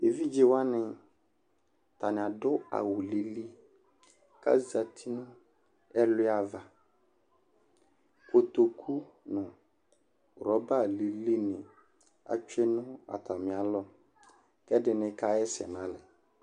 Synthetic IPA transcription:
e˨vi˦d͡ʒe˦wa˦nɪ̃˨ | ta˨nɪ̃˨a˨dʊ˦a̰˨wʊ˨li˨li˦ | ka̰˦za˨tʰi˦nʊ̃˦ | ɛ˦lɪ˦a˨va˨ | ko˨to˨kʰu˦ | nʊ̃˨ | ɾɔ˨˦ba˦˨li˨li˦nɪ̃˨ | a̰˨t͡ʃɛ˦nʊ̃˦a̰˨tʰa˨mɪ̃˨a˨lɔ˦ | kɛ˦dɪ˨nɪ̃˨ka˦ɛ˦sɛ̰˨nã˨˦lɛ˨

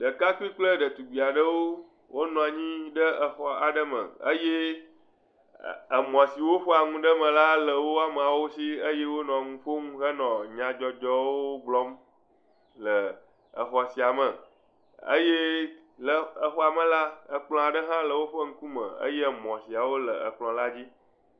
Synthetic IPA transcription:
ɖə˨ka˦ku˦i˦k͡plə˦ɖə˨t̪u˨ɡ͡bi˨a˨ɖə˦wo˦ | wʔo˦nɔ̃˨a˨ɲĩ˦ɖə˦ə˨xɔ˨a˨ɖə˦mə̰̃˨ə̰˦je˦ | ə˨mɔ̃˨si˨wo˦ɸɔ˦a˨ŋũ˦ɖə˦mə̃˨la˦lə˨wo˦a˨m˨a˨wo˦si˦ə˦je˦wo˦nɔ̃˨a˨ŋũ˦ɸo˦ŋũ˦ɦə˦nɔ̃˨ɲã˨d͡ʒɔ˦d͡ʒɔ˦wo˦ɡ͡blɔ˦m | lə˨ | ə˨xɔ˨si˨a˨mə˨ | ə̰˦je˦ | lə˨ə˨ɸɔ˦a˨mə̃˦la˦ə˨k͡plɔ̃˨a˨ɖə˦ɦã˦lə˨wo˦ɸə˦ŋ̩̃˦ku˦mə̰̃˨ə̰˦je˦˨mɔ̃˨si˨a˨wo˦lə˨ə˨k͡plɔ̃˨la˦d͡ʑi˦

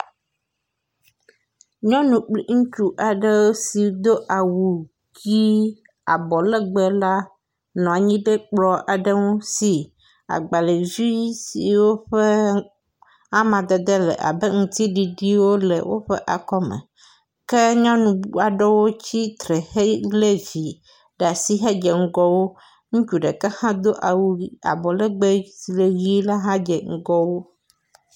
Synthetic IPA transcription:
ɲɔ̃˦nũ˨k͡pli˦ŋũ˦t͡ʃu˦˨ʔa˨ɖɛ˦wo˦si˨˦d̪o˦ʔa˨wu˨ | ɡi˦ | a˨bɔ˨lɛ˦ɡ͡bɛ˦la˦ | nɔ̃˨a˨ɲĩ˦bɛ˦k͡plɔ˦ʔa˨ɖɛ˦ŋo˦si˨ | a̰˨ɡ͡ba˨le˨zi˦si˨wo˦ɸɛ˦ | a˦mã˨d̪ɛ˨d̪ɛ˦lɛ̰˨ʔa̰˨bɛ˦ŋũ˨t̪i˦ɖi˨ɖi˦wo˦lɛ̰˨wʔo̰˦ɸɛ˦ʔa˨kɔ˦mɛ̰̃˨ | kɛ˦ɲɔ̃˦nũ˨bu˦a˨ɖɔ˦wo˦t͡ɕi˦t̪ɾe˨he˦le˦vi˨ | ɖa˨si˦ɦe˦d͡ʒe˨ŋ̩˦ɡɔ˦wo˦ | ŋũ˦t͡ʃu˨ɖe˨kɛ˦hã˦d̪o˦ʔa˨wu˦i˦a̰˨bɔ˨le˦ɡ͡be˦si˨le˨ɣi˦la˦ɦã˦d͡ʒɛ˨ŋ̩˦ɡɔ˦wo˦

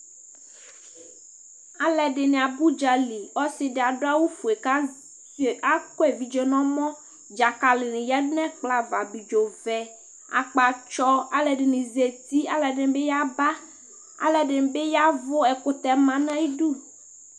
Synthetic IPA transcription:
a˨lɛ˨ɖɪ˨nẽ˨a˨bu˦d͡ʒa˨li˨ɔ˦sɪ˨ɖɪ˨a˨ɖo˦a˦wu˦fu˨e˨ka˦˨ | a˦ko˦e˨vi˨d͡ʒo˨nɔ̃˦mɔ̃˦ | d͡ʒa˨ka˨lɪ˨nɪ̃˨jɛ˦nɛ̃˦k͡pla˨va˨bi˨d͡ʒo˨vɛ˨ | a̰˨k͡pa˨t͡ʃɔ˦a˨lɛ˨ɖɪ˨nĩ˨ze˨t̪i˦a˨lɛ˨ɖɪ˨be˦ja˦ba˦ | a̰˨lɛ˨ɖɪ˨n˨be˦ja˦vo˦ɛ˨ko˦t̪ɛ˨mã˨nã˦ji˦ɖu˦˨

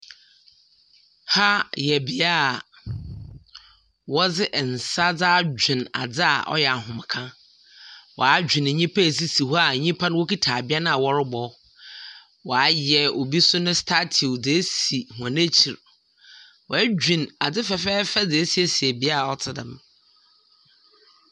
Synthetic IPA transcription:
ha˦jɛ˨bi˦a˦˨ | wɔ˦d͡zɪ˦ʔn̩˨sa˦d͡zaː˦d͡ʑᶣɪ̃˨na̰˨d͡zɪ˦a̰˨ʔɔ̰˦jɛ˨a˨ɦʊ̃˨m˨kʰã˦ | wɔ̰˨a˦d͡ʑᶣĩ˨n˨ɲĩ˦pʰa˦˨s̬i˦si˨ɦɔ˦a˨ɲĩ˦pʰa˦nʊ̃˦wo˦ki˦tʰa˨bɪ˦a˦nã˦a˨wɔ˦ɾɪ˦bɔ˦ | wɔ˨a˨˦jɛ˨o˨bi˦sʊ˦nʊ̃˦stʰa˦tʰi˨d͡ze˨e˦si˨hʊ˨ã˨ne˦t͡ɕʰi˨ɾ | wɔ˨æ˦d͡ʑᶣĩ˨na˨d͡zɪ˦fɛ˨fɛː˦fɛ˦d͡zɪ˨e˦se˦si˨ɛ˨bi˦a˦a˨ɔ˦tʰɪ˨dɪ̰̃˨m

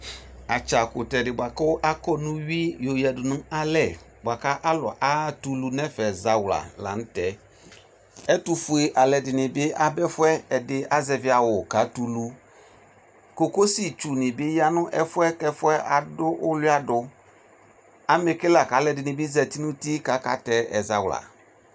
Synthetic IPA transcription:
a˨t͡ʃa˨kʊ˨tɛ˨dɪ˨bwa˨kɔ˦ʔa˦kɔ˦nũ˦ɥi˦jo˨jɛ˨dʊ˨nʊ̃˦a˦lɛ˨ | ba˨ka˦ʔa˦lɔ̰˨ʔa˦tu˨lu˦nɛ̃˦fɛ˨za˨wla̰˨la̰˨ñ̩˦tɛ˨˦ | ɛ˦tu˨fu˨e˨ʔa˨lɛ˨dɪ˨nɪ̃˨bɪ˦ʔa˨bɛ˦fʊ˦ɛ˦ɛ˨dɪ˨ʔa˦zɛ˨vɪ˨˦a˨wʊ˨ka˨˦tu˨lu˦ | ko˨ko˦si˨t͡ʃu˨nɪ̃˨bɪ˦ja˦nʊ̃˦ʔɛ˦fʊ˦ɛ˦kɛ˦fʊ˦ɛ˦ʔa˨dʊ˦ʔʊ˦lʊ˦a˦dʊ˨ | a˨me˨kɪ˦la˨ka˨˦lɛ˨dɪ˨nɪ̃˨bɪ˦zɛ˨t̪i˦nũ˦ti˦ka˨˦ka̰˨˦tɛ˦ɛ̰˨za˨wla̰˨

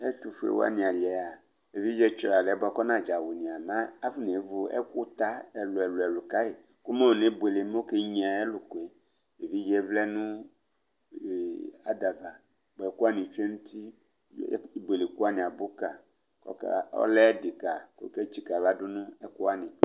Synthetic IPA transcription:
e˦tu˨fḛ˨wo̰˦a̰˦nĩ˨a˨li˨ɛ˨ja˨ | e˨vi˦d͡ʒɛ˦t͡ʃɔ˨˦a˨lɛ˨˦bɔ˦kɔ˦nã˦˨d͡ʒa˨wu˨nĩ˨a˨mã˦a˦fu˦ne˨˦vu˦ɛ̰˦ku˦t̪a˦ɛ˨lo˨ɛ˨lo˨ɛ˨lu˨ka˦e˨ | ku˦ma˦˨ne˦be˨le˨m˦o˦ke˦ɲĩ˨a˨e˦lu˨ko˨e˨ | e˨vi˦d͡ʒɛ˦vlɛ˦nũ˦˨ | a˨d̪a˨va˨ | bo˨ɛ˨ku˦a˦nĩ˨t͡ʃe˦nũ˦t̪i˦ | bwe˨le˨ku˦a˦nĩ˨a˨bo˦ka˨ | kɔ̰˦ka̰˦ɔ̰˦lɛ˦di˨ka˨ko̰˦ke˦t͡ʃi˨ka˨va˦du˦nũ˦ɛ˦ku˦a˦nĩ˨˦

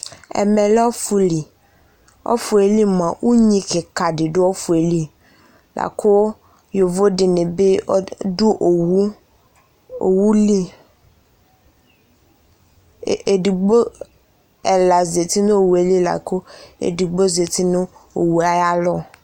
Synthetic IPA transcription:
ḛ˨me˨lɔ˦fu˦li˨ | ɔ̰˦fu˨e˨li˦mã˨wʔu˦ɲĩ˦ke˨ka˨ɖɪ˨ɖo˦wɔ˦fu˨e˨li˦ | lʔa̰˨kʰo˦ | jo˨vo˦ɖɪ˨nẽ˨be˦du˦ʔo˨wu˦ | o̰˨wu˦li˦˨ | e˨di˨ɡ͡bo˦ | e˨la˨ze˨t̪i˦nẽ˦o˨wu˨e˨˦li˦la̰˨ko˦ḛ˨di˨ɡ͡bo˦ze˨t̪i˦nũ˦o˨wu˨a˦ja˦lɔ˦

